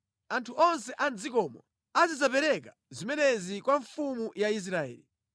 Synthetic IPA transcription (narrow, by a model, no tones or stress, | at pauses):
antʰuɔns̬ɛʔand͡zikɔmɔ̰ | azizapɛɾɛka | zimɛnɛzikwaɱfumujais̬ɾaɛ̰ːli